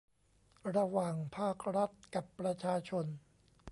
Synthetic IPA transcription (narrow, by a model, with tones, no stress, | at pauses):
ɾa˧waː˨˩ŋpʰaː˥˩k̚ɾa˦˥t̪̚ka˨˩pːɾa˧t͡ɕʰaː˧t͡ɕʰo˧n